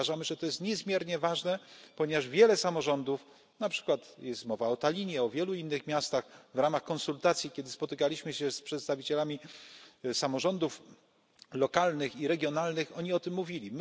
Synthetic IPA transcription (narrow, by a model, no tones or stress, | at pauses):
aʐamɘʐɛt̪ɔjɛst̪ɲɛzmʲjɛɾɲɛvaʐnɛpɔɲɛvaʐvʲjɛlɛsamɔʐɔnd̪uf | napʂɘ̥kwat̪jɛst̪mɔvaɔt̪alʲiɲɛɔvʲjɛluinːɘxmʲjast̪axvɾamaxkɔnsult̪at̪sʲjikʲɛd̪ɘspɔt̪ɘkalʲiɕmɘɕɛspʂɛt̪st̪avʲit͡ɕɛlamʲi | samɔʐɔnd̪uf | lɔkalnɘxiɾɛɡʲjɔnalnɘxɔɲiɔt̪ɘmːuvʲilʲim